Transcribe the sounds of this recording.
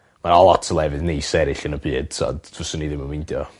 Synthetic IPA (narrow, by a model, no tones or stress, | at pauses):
maɾalˠɔtʰəlˠɛvɨðnejsɛɾɪɬənəbɨːd̥sʰɔ̰d̥tʰʊsənːiðɪməmɪndjɔ